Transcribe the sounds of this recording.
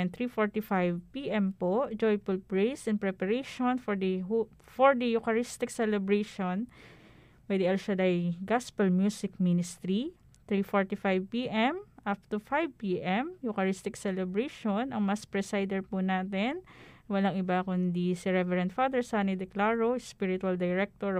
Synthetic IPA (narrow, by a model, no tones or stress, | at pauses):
nt̪ɾifoɹt̪ifajvpiʔɛmpoʔd͡ʒɔjfʊlpɹejsɛnpɹɛpɐɾejʃonfoɹd̪ɐɦ | foɹd̪ɐjʊkɐɹist̪ɪk̚sɛlɛbɹejʃon | wɛd̪iʔɛlʃɐd̪ajɡaspɐlmjuːsɪk̚minɪst̪ɾi | t̪ɹifoɹt̪ifajvpiʔɛmʔaf̚t̪ufajvpiːʔɛmjʊkɐɹist̪ɪksɛlɛbɾejʃonɐŋmɐspɹɛsajd̪ɛɹpunaːt̪ɛnwɐlaŋʔɪbakʊnd̪isiɹɛvɛɾɐ̃nt̪fad̪ɛɹsanid̪ɛklaɹospiɹɪt̪uɐld̪ɐjɹɛk̚t̪oɹ